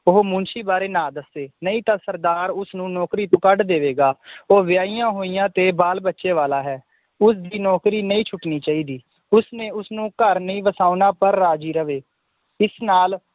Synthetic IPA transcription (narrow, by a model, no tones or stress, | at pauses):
ʊɦomʊ̃nt͡ʃiːbaːɾeːnãːd̪əsːeːnəĩːt̪ãːsəɾd̪aːɾʊsnũːnɔːkɾiːt̪õːkəɖd̪eːʋeːɡaːoːʋɪjaːijãːɦoːijãːt̪eːbaːlbətːʃeːʋaːlaːɦɛː | ʊsd̪iːnɔːkɾiːnəĩːt͡ʃʰʊʈniːt͡ʃaːiːd̪iː | ʊsnẽːʊsnũːkəɾnəĩːʋəsaːʊnãːpəɾːaːd͡ʒiːɾəʋeː | ɪsnaːl